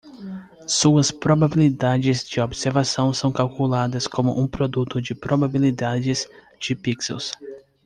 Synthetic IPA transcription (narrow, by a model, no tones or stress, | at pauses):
suɐspɾobabilid̪ad͡ʒɪzd͡ʒɪobseɾvasɐ̃w̃sɐ̃w̃kalkulad̪ɐskõmʊ̰ʔũpɾod̪ut̪ʊd͡ʒɪpɾʔobabilid̪ad͡ʒɪz | d͡ʒɪpiksḛws